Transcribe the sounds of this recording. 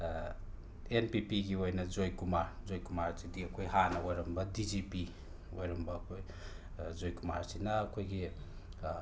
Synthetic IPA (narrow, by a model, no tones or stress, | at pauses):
enpipiɡiojnɐd͡ʒojkumaɾzojkumaɾsidiɐkʰojɦanɐojɾɐmbɐdid͡ʒipi | ojɾɐmbɐkʰoj | zojkuma̰ɾsinɐːkʰojɡi